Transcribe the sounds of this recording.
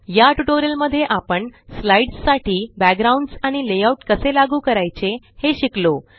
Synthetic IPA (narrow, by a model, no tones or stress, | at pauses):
jaʈuʈoɾijəlməd̪ʱːjeʔapəɳslaiɖsːaʈiːbæk̚ɡɾaũɳɖsaɽ̃ilejauʈkəselaɡuːkəɾajt͡se | heɕiklo